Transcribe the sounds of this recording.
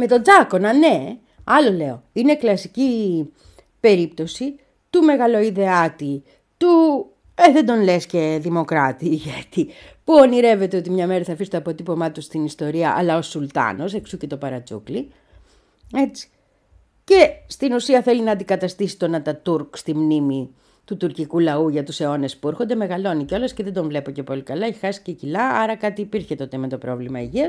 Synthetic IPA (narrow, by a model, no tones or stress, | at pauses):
me̞t̪o̞d͡zɐko̞nɐne̞ | ɐlo̞le̞o̞ine̞klɐsici | pe̞ɾip̚t̪o̞si | t̪ume̞ɣɐlo̞iðe̞ɐt̪i | t̪u | eðe̞nd̪o̞nlesce̞ðimo̞kɾɐt̪iːʝet̪i | puoniɾe̞ve̞t̪eot̪imɲɐme̞ɾɐθɐfist̪oːpo̞t̪ipo̞mɐt̪ust̪inist̪o̞ɾiɐʔɐ̰lɐosult̪ɐ̰no̞seksuce̞t̪o̞pɐɾɐt͡sṵkli | e̞t͡si̥ | ce̞st̪inusiɐθe̞linɐːnd̪ikɐt̪ɐst̪isi̥t̪o̞nɐt̪ɐt̪uɾkst̪imnimi | t̪ut̪uɾcikulɐuʝɐt̪use̞o̞ne̞spueɾxo̞nd̪e̞me̞ɣɐlo̞niceo̞lesce̞ðe̞d̪o̞ɱvle̞poce̞po̞likɐlɐeçe̥xɐsi̥cecilɐɐɾɐkɐt̪iːpiɾçet̪o̞t̪e̞me̞t̪o̞pɾo̞vlimɐiʝiɐs